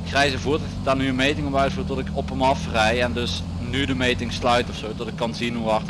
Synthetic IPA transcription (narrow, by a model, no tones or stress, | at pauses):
xrɛjzəvuːɹtɪkdaːɹnyənmejtɪŋɔpœɥtfuːɹtɔtɪkɔpəmɑfrɛjɛndɵs | nydəmejtɪŋslœɥtɔfsowtɔtɪkːɑnzinɦuʋɑrt